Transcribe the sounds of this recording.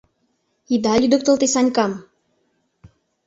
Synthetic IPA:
id̪alid̪ɔk̚t̪ərt̪isaɲʲkam

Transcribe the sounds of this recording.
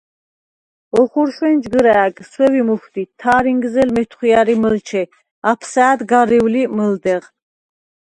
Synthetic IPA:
ɔχuɾʃwɛnd͡ʒɡəɾæːɡswɛvimuxt̪it̪ʰːaːɾiŋɡzɛlmɛt̪ʰχiaɾiməlt͡ʃʰɛ | apʰsaːd̪ɡaɾiwliməld̪ɛʁ

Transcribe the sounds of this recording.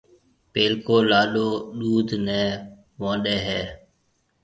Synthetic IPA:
peːlkoːlaːɗoːɗuːd̪ʱnɛ̃ː | ʋãːɗeːɦɛː

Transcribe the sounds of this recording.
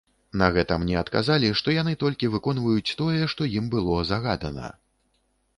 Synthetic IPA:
nɐɣɛt̪ɐmnʲɛɐt̪ka̰zalʲiʂt̪ɔjanɨt̪ɔlʲkʲivɨkɔn̪vɐjut͡sʲt̪ɔjɛʂt̪ɔjimbɨlˠɔzaɣad̪ɐnɐ̰

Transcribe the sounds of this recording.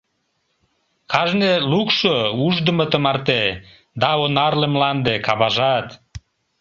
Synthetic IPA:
kʰɑʒnelukʃouʒd̪əmət̪əmɑrt̪e | d̪ɑonɑrlemlɑnd̪ekɑβɑʒɑt̪

